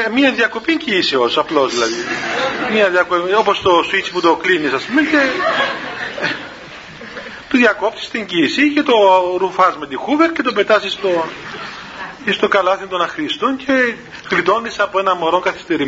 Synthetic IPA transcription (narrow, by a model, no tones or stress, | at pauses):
miɐðjɐko̞piɲɟisiosɐplo̞zðilɐðimɐðjɐkoo̞post̪o̞sit͡si̥put̪o̞klinisɐspumeɲce̞ | t̪uðjɐko̞pt̪i̥st̪iɲɟisicet̪o̞ɾufɐzmet̪ixuveɾcet̪ope̞t̪ɐsist̪o | ist̪o̞kɐlɐθint̪o̞nɐxɾist̪oncʰe̞ | xlit̪o̞nd̪isɐpoenɐmo̞ɾo̞ŋkɐθi̥st̪e̞ɾi